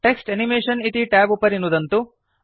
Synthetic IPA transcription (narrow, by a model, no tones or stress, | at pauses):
ʈeksʈenimeːʂɐnit̪iʈæːbupɐɾinːud̪ɐnt̪u